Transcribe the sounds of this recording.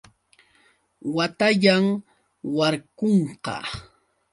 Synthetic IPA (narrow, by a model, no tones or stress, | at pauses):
wat̪aʎam | waɾkoɴqɑ̰